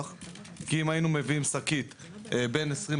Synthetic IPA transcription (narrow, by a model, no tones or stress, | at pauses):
χ | kiimainumeviimsakit̪ | be̞nesʁim